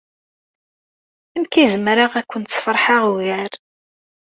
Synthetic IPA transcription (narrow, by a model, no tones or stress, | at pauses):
æmkizəmɾaʁækʷːənt̪sfɾˤħaʁuɣæɾ